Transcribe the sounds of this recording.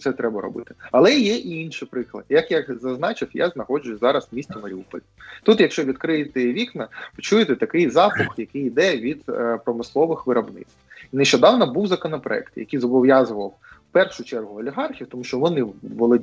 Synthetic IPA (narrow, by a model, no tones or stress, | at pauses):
t̪sɛt̪ɾɛbɐɾɔ̰bɪt̪ɪ̥ɐlˠɛjɛʔiinʃɪpɾɪklˠɐ̰d̪jɐkjakzɐznɑt͡ʃɪfja̰znɐxɔd͡ʒʊjʊzɑɾɐswmʲisʲtʲɪmɐɾʲiupɔ̰lʲit̪ut̪jɐkʃt͡ʃɔʋʲid̪kɾɪjɪt̪ɪʋʲiknɐpɪt͡ʃujɪt̪ɛt̪ɐkɪjzɑpʊxjɐkɪjid̪ɛʋʲid̪pɾɔmɪslˠɔʋɪxʋɪɾɐbnɪ̰t̪ineʃt͡ʃɔd̪ɑwnɐbuwzɐkɔnɐpɾɔ̰ɛ̰kt̪jɐ̰kijzɔbɔʋjazʊʋɐw | pɛrʃʊt͡ʃɛrɦʊɐlʲiɦɑrxʲiwt̪ɔmuʃt͡ʃɔʋɔnɪːɔlˠɔdʲ